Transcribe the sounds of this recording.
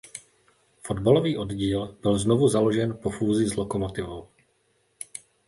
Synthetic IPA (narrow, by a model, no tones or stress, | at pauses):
fo̞dbalo̞viːʔo̞dɟiːlbɪlznovuzalo̞ʒɛnpo̞fuːzɪzlo̞komo̞t̪ɪvow